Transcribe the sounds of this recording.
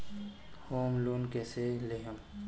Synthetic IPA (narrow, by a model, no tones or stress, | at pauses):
hoːmloːnkeseleɦəm